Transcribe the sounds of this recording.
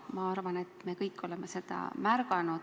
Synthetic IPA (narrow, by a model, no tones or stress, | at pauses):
mɑɑrvɑne̞t̪ːˑme̞kɤjkːo̞le̞mese̞d̪̥ɑ̰mærɡɑnu̥